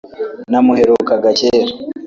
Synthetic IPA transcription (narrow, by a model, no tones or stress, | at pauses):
namuheɾokaɡaceːɾa